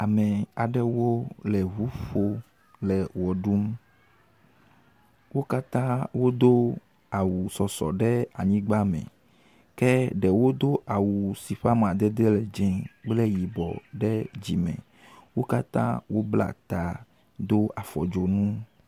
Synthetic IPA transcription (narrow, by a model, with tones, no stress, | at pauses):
a˨mɛ˨a˨ɖɛ˦wo˦lɛ˨ɦu˦ɸo˦ | lɛ˨wɔ˨ɖu˦m | wo˦ka˦t̪ã˦wo˦d̪o˦ | a˨wu˨sɔ˨sɔ̰˨ɖɛ˦a˨ɲĩ˦ɡ͡ba˦mɛ̰̃˨ | kɛ˦ɖɛ˨wo˦d̪o˦ʔa˨wu˨si˨ɸa˦m˨a˨d̪ɛ˦d̪ɛ˦lɛ˨d͡ʒɛ̃˨k͡plɛ˦ji˨bɔ̰˨ɖɛ˦d͡ʑi˨mɛ̰̃˨ | wo˦ka˦t̪ã̰˦wo˦bla̰˦t̪a˨ | d̪o˦a˨fɔ̰˨d͡ʒo˨nũ˦